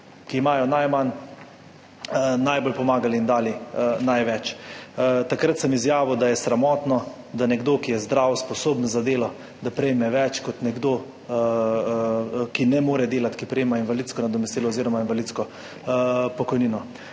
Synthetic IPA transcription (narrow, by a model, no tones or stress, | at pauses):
kiːmaːjɔnajman | najbolpɔmaːɡaliːnd̪aːlinajʋɛt͡ʃ | t̪akɾat̪sɛmizjaːʋud̪ajɛsɾamɔːt̪nɔ | d̪anɛɡd̪oːkijɛzd̪ɾaːwɔspɔsoːbnzad̪eːlɔ | d̪apɾɛjmɛʋɛt͡ʃkɔt̪nɛɡd̪oː | kinɛmoːɾɛd̪eːlat̪kipɾɛjemainʋalid̪skɔnad̪ɔmɛst̪iːlɔːziːɾɔmainʋalidt̪skɔ | pɔkɔjniːnɔ